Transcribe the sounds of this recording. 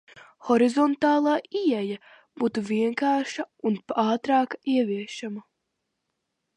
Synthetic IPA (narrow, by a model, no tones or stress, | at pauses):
xɔɾizɔnt̪ɑːlˠaːiɛja | b̥uːt̪uviɛŋkaːɾʃɐunpɑːt̪ɾɑːkiɛviɛʃamɐ